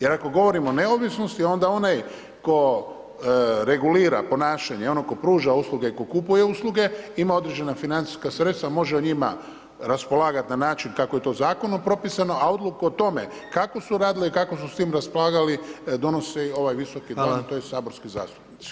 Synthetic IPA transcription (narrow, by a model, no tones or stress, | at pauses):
je̞ɾako̞ɡo̞ʋo̞ɾimone̞oʋisno̞st̪io̞nd̪ao̞naj | ko̞ | ɾe̞ɡuliːɾa̰po̞naːʃaɲeo̞noko̞pɾuːʒausluɡe̞iko̞kupuje̞usluɡe̞imao̞d̪ɾe̞d͡ʒe̞nafinant̪si̥skasɾe̞t̪st̪ʋamo̞ʒeoɲima̰ | ɾaspo̞laːɡat̪nanaːt͡ʃinkako̞je̞t̪o̞ːzaːko̞nompɾo̞pisano̞ʔao̞d̪lukuot̪o̞me̞ | kako̞suɾaːd̪iliikakosust̪iːmɾaspolˠaːɡalid̪o̞nosio̞ʋajʋiso̞kid̪omt̪ojesaːbo̞ɾskiza̰ːst̪u̥pnit̪si̥